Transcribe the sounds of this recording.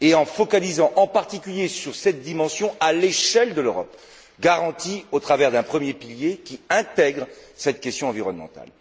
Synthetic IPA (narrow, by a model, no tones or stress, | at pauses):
eɑ̃fɔkalizɑ̃ʔɑ̃paʁt̪ikʲyljesyʁsɛt̪̚d̪imɑ̃sjɔ̃aleʃɛld̪əløʁɔp | ɡaʁɑ̃t̪iot̪χavɛʁd̪ɛ̃pχəmjepiljekʲiɛ̃t̪ɛɡʁsɛt̪kʲɛst̪jɔ̃ɑ̃viʁɔnmɑ̰̃t̪a̰l